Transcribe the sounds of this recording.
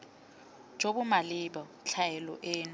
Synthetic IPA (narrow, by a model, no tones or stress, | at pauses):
d͡ʒ̥ʱoɓumaliɓɔ | t͡ɬʰajɛlɔ̰ʔeːnu